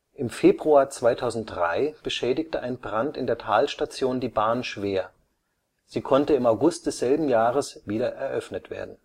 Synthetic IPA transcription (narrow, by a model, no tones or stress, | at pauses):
ʔɪmfeːbʁuaːɐt͡sv̥aɪtʰaʊzn̩t̚dʁa̰ɪb̥əʃɛːdɪktəʔaɪnbʁantɪndeːɐtʰaːlʃtat͡sjoːndiːbaːnʃv̥eːɐ | z̥iːkʰɔntəɪmaʊɡʊst̚d̥ɛsz̥ɛlbm̩jaːʁəsviːdɐʔɛɐʔœfnətv̥ḛːɐdn̩